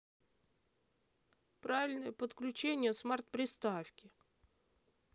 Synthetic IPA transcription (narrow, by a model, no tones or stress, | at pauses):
pɾavʲɪlʲnəjəpət̪klʲʉt͡ɕenʲɪjəsmart̪̚pɾʲɪst̪afkʲɪ